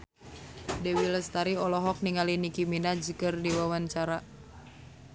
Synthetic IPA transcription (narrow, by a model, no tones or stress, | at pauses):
dɛwiləst̪aɾiɔlɔɦɔk̚niŋalinikiminad͡ʒikərdiwawaɲt͡ʃaɾa